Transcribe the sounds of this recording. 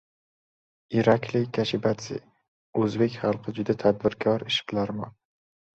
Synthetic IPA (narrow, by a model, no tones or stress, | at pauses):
ɪɾakʲʰlɪkʲʰaʃɪbat̪sɪ̰ | ɵzbekʲχɑlˠqʰɨd͡ʒʊd̪at̪ʰad̪̚bɪɾkʰɒɾɪʃɪ̥qlaɾmɒn